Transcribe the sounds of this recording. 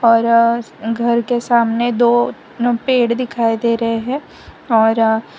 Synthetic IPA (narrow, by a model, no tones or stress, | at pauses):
ɔːɾɡʱɐɾkesaːmned̪oː | peːɽd̪ɪkʰaːid̪eːɾɐɦeɦɛ̃ː | ɔːɾ